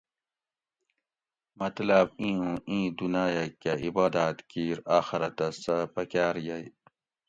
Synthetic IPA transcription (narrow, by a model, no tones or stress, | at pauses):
mɐt̪lɐbĩːũĩːd̪unaːjakːaibaːd̪aːt̪kiːɾaːxiɾɐt̪ɐsɐpɐkaːɾjaj